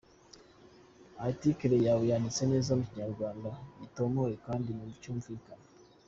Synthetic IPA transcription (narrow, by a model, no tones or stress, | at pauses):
atikeɾejawujanit͡se̞ne̞ːzamuciɲaɾɡwaːndaito̞mojekaːndinucuːɱvikana